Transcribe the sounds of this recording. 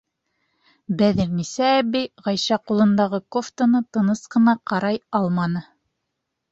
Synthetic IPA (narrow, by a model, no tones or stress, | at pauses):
bæðiɾnisæːbijʁɑjʃɑqulˠɤ̆nd̪ɑʁɤkoft̪onɤt̪ɤ̆nɤsqɤ̆nɑqɑɾɑjɑlˠmɑnɤ